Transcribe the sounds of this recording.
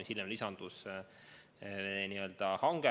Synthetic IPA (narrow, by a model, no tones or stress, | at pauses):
silmlisɑnd̪̥us | niø̞ld̪̥ɑhɑŋɡ̥e